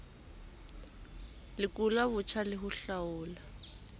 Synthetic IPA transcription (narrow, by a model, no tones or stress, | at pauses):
lɪkʊlaβʊt͡ʃʰalɪɦʊɬaʊːla